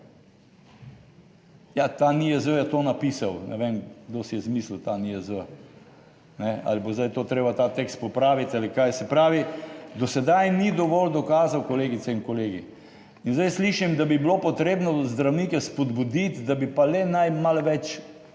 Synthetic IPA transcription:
jat̪aniɛzəjɛt̪oːnapisawnɛ̰ʋemɡd̪osijɛzmiːslut̪aniɛzə | nɛa̰libozd̪ajt̪oːt̪ɾeːbat̪at̪ekst̪̚pɔpɾaːʋit̪alikajsɛpɾaːʋid̪ɔsɛd̪ajnid̪ɔʋɔld̪ɔkaːzawkɔleːɡisɛinkɔleːɡi | inzd̪ajsliːʃimd̪abiblopɔt̪ɾeːbnɔzd̪ɾawnikɛspɔd̪bud̪it̪d̪abipalɛnajmalʋɛt͡ʃ

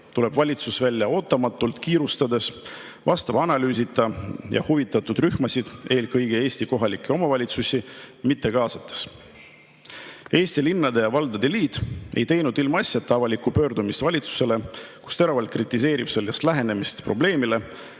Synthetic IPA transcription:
t̪ule̞b̥vɑlʲit̪susvælʲːjɑo̞ːt̪ːˑɑmɑt̪ːˑult̪kiːɾust̪ɑd̪e̞s | vɑst̪ɑvɑnɑlyːsʲit̪ːˑɑjɑ̰huvit̪ːˑɑt̪ːˑud̪̥ryhmɑsid̪̥e̞ːlkɤjɡ̥ee̞ːsʲt̪iko̞ɦɑlikːˑeo̞mɑvɑlʲit̪susʲimit̪ːˑe̞kɑːsɑt̪ːˑe̥s | e̞ːsʲt̪ilinːɑd̪e̞jɑvɑld̪̥ɑd̪̥e̞liːt̪ːˑe̞̰jt̪e̞jnud̪ilmɑɑsʲjɑt̪ːˑɑvɑlʲikːupø̞ːrd̪umisvɑlʲit̪su̥se̞le̞ku̥st̪e̞ɾɑvɑlt̪̚krit̪ːˑis̬e̞ːɾib̥selʲːɑst̪læɦe̞ne̞mist̪pro̞ble̞ːmile̞

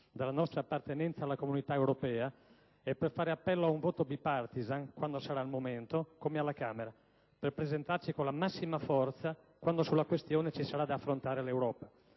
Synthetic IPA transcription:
d̪alːanɔst̪ɾaːpːart̪enɛnt̪saːlːakomunit̪aewɾopɛːa | ɛpːerfaːɾeapːɛlːoauɱvoːt̪ob̪ipart̪izankwand̪osaɾaːlmoment̪okomealːakaːmeɾa | perpɾezent̪art͡ʃikonlamasːimafɔrt̪sa | kwand̪osulːakwest̪joːnet͡ʃisaɾad̪iafːɾont̪aːɾelewɾɔːpa

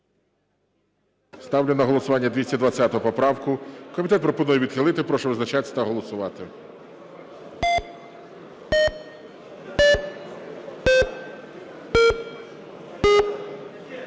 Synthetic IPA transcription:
st̪ɑwlʲɪnɐɦɔlˠɔsʊʋɑnʲːɐd̪ʋʲisʲtʲɐd̪ʋɐt͡sʲːat̪ɔɦɔpɔpɾɑwkʊkɔmʲit̪ɛt̪pɾɔpɔnujɛʋʲid̪xɪlˠɪt̪ɪpɾɔʃɛʋɪznɐt͡ʃat̪ʲsʲɐ̥t̪ɐɦɔlˠɔsʊʋɑt̪ɪ

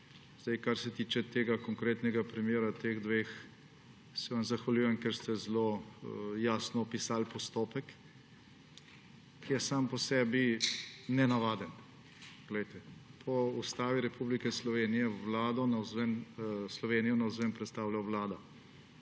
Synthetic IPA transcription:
zd̪ɛjkaɾsɛt̪iːt͡ʃɛt̪eːɡakɔŋkɾeːt̪nɛɡapɾimjeːɾat̪eːɣd̪ʋeːx | sɛʋamzaxʋaljuːjɛmkɛɾst̪ɛzlo | jaːsnɔːpisaːlpɔst̪opɛk | jɛsaːmpɔsɛːbinɛnaʋaːd̪ən | pɡ̥lɛjt̪ɛpʰɔust̪aːʋiɾɛpublikɛslɔʋeːnijɛʋlaːd̪ɔnawzʋɛnslɔʋeːnijɔnɐwzʋɛmpɾɛt̪st̪aːwlawʋlaːd̪a

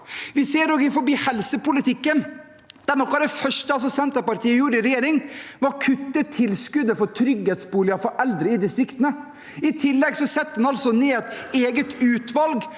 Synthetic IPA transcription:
ʋɪseːɾɔɡɪfɔɾbiːhɛlsəpʊlɪt̪ʰɪkːən | d̪̥ænɔkːɑd̪ɛfœʂʈəɑls̬ɔsɛnt̪əɾpɑɾt̪ʰiːəjuːɾɪɾɛjeːɾɪŋʋɑɾkʰʉt̪ːət̪ʰɪlskʉd̪əfɔɾt̪ʰɾʏɡheːt̪sbuːlɪəfɔɾʔɛld̪ɾəɪd̪ɪst̪ɾɪkt̪ənə | ɪt̪ʰɪlːɛɡsɔsɛt̪ːəd̪ɛnɑlsɔneːɛt̪eːɡət̪ʉːt̪ʋɑlɡ

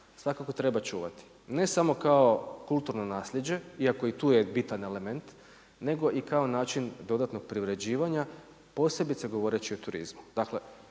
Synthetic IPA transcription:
sʋakako̞t̪ɾe̞bat͡ʃuːʋa̰t̪i̥ | ne̞samo̞kao̞kulˠt̪uɾno̞naːsʎe̞d͡ʑe̞iako̞it̪uːje̞bit̪ane̞le̞me̞nt̪ | ne̞ɡo̞ʔikao̞naːt͡ʃind̪o̞d̪at̪no̞ɡ̥̚pɾiʋɾe̞d͡ʑiːʋaɲa | po̞se̞bit̪seɡo̞ʋo̞ɾe̞t͡ɕiot̪uɾḭzmu̥d̪̥akle̞

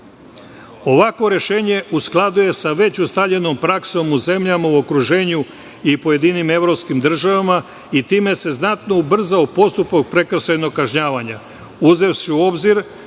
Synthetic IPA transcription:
o̞ʋako̞ɾe̞ʃe̞ːɲe̞ʔusklˠad̪uje̞saʋe̞t͡ɕust̪aʎe̞no̞mpɾakso̞muze̞mʎamauo̞kɾuʒe̞ːɲu | ipo̞je̞d̪inime̞ʋɾo̞pskimd̪r̩ʒaʋama | it̪iːme̞se̞znat̪no̞ubr̩zaopo̞st̪upak̚pɾe̞kr̩ʃajno̞ɡ̚kːaʒɲaːʋaɲa | uze̞wsiuo̞bziɾ

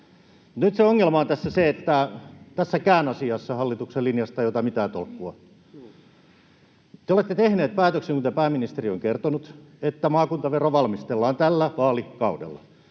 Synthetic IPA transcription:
t̪nyt̪seoŋːelmɑont̪æsːæseet̪ːæt̪æsːækæːnɑsiɑsːɑhɑlːit̪ukselinjɑst̪ɑjot̪ɑmit̪æːt̪o̰lkːuɑ | t̪eolet̪ːet̪ehneːt̪̚pæːt̪økseŋkunt̪eæpæːmːinist̪erio̰ŋkert̪onut̪et̪ːæmɑːkunt̪ɑʋeroʋɑlmist̪elːɑːnt̪ælːæʋɑːlikɑudḛlːɑ

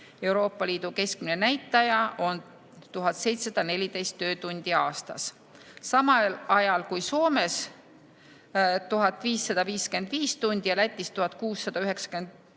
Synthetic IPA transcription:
e̞wɾo̞ːpːˑɑliːd̪̥uke̞sk̚minenæjt̪ˑːɑjɑʔo̞n | t̪uɦɑt̪se̞jt̪sesɑd̪̥ɑne̞lʲid̪̥e̞jst̪ːø̞ːt̪unʲd̪̥iɑːst̪ɑ̰sː | ɑmɑlɑjɑlkujso̞ːme̞s | t̪uɦɑt̪ːˑviːsːɑd̪̥ɑviːske̞nd̪̥viːst̪unʲd̪̥ijɑlæt̪ʲːˑist̪uɦɑt̪̚ˑkuːsːɑd̪̥ɑyɦe̞ksɑ̥ke̞nd̪̥

